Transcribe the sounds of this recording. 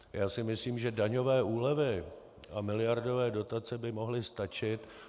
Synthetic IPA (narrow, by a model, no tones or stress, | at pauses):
jaːsɪmɪsliːmʒɛdaɲo̞vɛːʔuːlɛvɪ | amɪlɪjaɾdo̞vɛːdo̞t̪at͡sɛbɪmo̞ɦlɪst̪at͡ʃɪt̪